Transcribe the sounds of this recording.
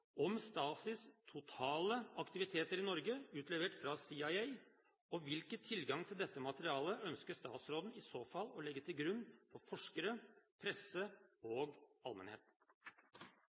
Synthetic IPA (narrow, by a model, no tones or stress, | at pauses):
ɔmst̪ɑːsɪst̪ʰʊt̪ʰɑːləɑkt̪ɪʋɪt̪ʰeːt̪əɾɪnɔɾɡəʉːt̪ʰlɛʋəʈfɾɑsiɑɪæɪ | ɔʋɪlkət̪ʰːɪlɡɑŋt̪ʰɪld̪ɛt̪ːəmɑt̪əɾɪɑːləœnskəʂt̪ɑ̰ːt̪sɾoːd̪n̩ɪsoːfɑlɔlɛɡːət̪ʰɪlɡɾʉnːfɔɾfɔʂkəɾəpʰɾɛsəoːɡɑlmɛnhḛːt̪